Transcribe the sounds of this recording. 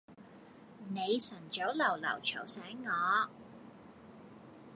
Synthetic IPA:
ne˨˧jsɐ˨˩nt͡ʃo˨˥wlɐ˨˩wlɐ̰˨˩wt͡ʃʰɐ˨˩wsɛː˨˥ŋŋɔː˨˧

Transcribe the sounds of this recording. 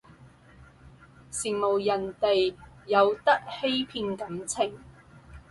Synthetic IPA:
siː˨˩ŋmo˨˩wjɐ˨˩nt̪e˨jjɐ˨˧wt̪ɐ˥k̚he˥jpʰiː˧nkɐ˨˥mt͡sʰɪ˨˩ŋ

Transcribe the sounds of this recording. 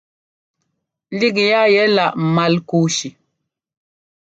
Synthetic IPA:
li˦ɡja˦jɛ˦la˨ʔma˨lku˨˦ʃi˨

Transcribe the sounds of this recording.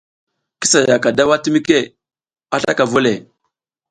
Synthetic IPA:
ki˦sa˨ja˨ka˨da˦wa˦ti˦mi˦ke˦ | a˦ɬa˦ka˨vo˦le˨

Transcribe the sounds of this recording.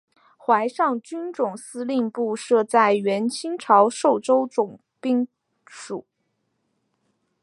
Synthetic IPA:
xwa˧˥ɪʂɑ˥˩ŋt͡ɕy˥nʈ͡ʂʊ˨˩ŋsɹ̩˥li˥˧npu˥˧ʂɤ˥˧t͡sa˥˩ɪɥɛ˧˥nt͡ɕʰi˥ŋʈ͡ʂʰɑ˧˥ʊʂo˥˩ʊʈ͡ʂo˥ʊʈ͡ʂʊ˨˩ŋ | pi˥˩ŋ | ʂu˨˩˦

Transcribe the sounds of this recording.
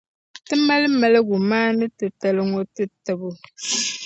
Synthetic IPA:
tɨ˦ma˦lmɛ˨lə˦ɡu˨maː˦nɨ˦tɨ˨tə˨lɨ˦ŋo˦tɨ˦tɨ˨bu˨

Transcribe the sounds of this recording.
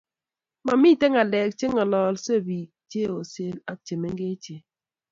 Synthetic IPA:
ma˨mi˦˨te˦ŋa˨lɛ˨k̚t͡ʃe˦ŋɔ˨lɔ˨lse˦˨bi˨k̚t͡ʃe˦o˨se˦la˦k̚t͡ʃe˨me˦ŋɡe˦t͡ʃe˨

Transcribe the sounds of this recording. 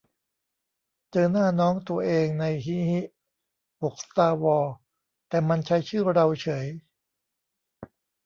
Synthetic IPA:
t͡ɕɤː˧naː˥˩nɔː˦˥ŋt̪u˧ɐʔeː˧ŋna˧jɦi˦˥hi˦˥ʔ | wo˨˩k̚st̪aː˧wɔː˧ | t̪ɛː˨˩ma˧nt͡ɕʰa˦˥jt͡ɕʰɯː˥˩ɾa˧wt͡ɕʰɤ˩˦j

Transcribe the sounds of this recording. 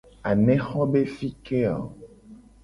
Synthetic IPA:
a˨nɛ̃˦xɔ˦be˦fi˦ke˦a̰˨

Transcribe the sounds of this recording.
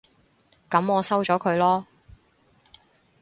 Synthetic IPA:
kɐ˨˥mɔː˨˧sɐ˥wt͡ʃɔː˨˥kʰɵ˨˧ɥlɔː˥

